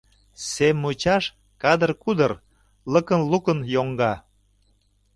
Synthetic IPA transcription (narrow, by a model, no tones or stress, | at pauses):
semːut͡ɕɑʃ | kɑd̪ərkud̪ər | ləkənlukənjoŋɡɑ